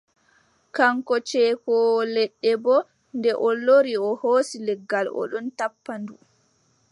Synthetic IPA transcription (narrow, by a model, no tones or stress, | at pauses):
kaŋkɔt͡ʃɛːkɔlɛɗːɛbɔ | ndɛʔolːoɾiɔhoːsilɛɡːalɔ̰ɗɔntapːandu